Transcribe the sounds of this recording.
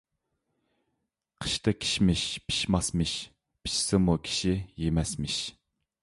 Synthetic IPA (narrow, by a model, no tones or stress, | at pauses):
qʰə̥ʃt̪ʰɨkʲʰi̥ʃmɪʃpʰi̥ʃmɑsmɨʃ | pʰi̥ʃsɨmukʲʰi̥ʃijemɛsmɪʃ